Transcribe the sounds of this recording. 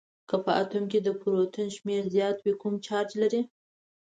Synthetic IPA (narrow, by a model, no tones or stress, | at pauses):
kəpəat̪umked̪əpuɾot̪ʊnʃmeɾzjɑt̪wikumt͡ʃɑɾd͡ʒlaɾi